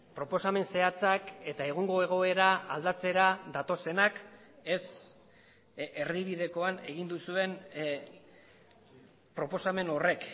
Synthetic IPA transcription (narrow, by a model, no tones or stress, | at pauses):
pɾo̞po̞same̞nse̞at͡sake̞t̪ae̞ɣ̞uŋɡo̞e̞ɣ̞o̞e̞ɾaald̪at͡se̞ɾaðat̪o̞se̞nak | e̞s | e̞rβiβið̞e̞ko̞ane̞ɣ̞ind̪usue̞n | pɾo̞po̞same̞no̞re̞k